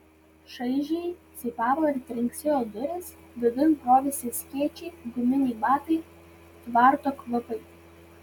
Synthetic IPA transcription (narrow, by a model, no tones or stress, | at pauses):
ʃɐɪʒʲɛɪsʲɪɪpɑːʋoɪɾʲt̪ʲɾʲɪŋʲksʲejoːd̪ʊɾʲeːsd̪ʲʊʋ̪ʲɪnkɾoːʋʲɛsʲɪsʲkʲiːt͡ʃʲɛɪɡʊmʲɪnʲɛɪbɑːkɐɪ | t̪ʋɑˑɾt̪oːklˠɐpɐɪ